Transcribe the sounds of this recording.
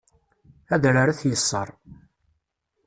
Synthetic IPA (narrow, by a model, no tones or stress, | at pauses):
æðɾaɾaθjəsˤːɑɾˤ